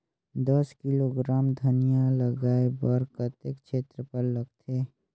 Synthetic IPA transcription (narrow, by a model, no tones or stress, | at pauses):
d̪əskɪloɡɾaːmd̪ʱɐnijaləɡaːebəɾkət̪ekt͡ʃʰeːt̪ɾəpəɾlɐɡt̪ʰeː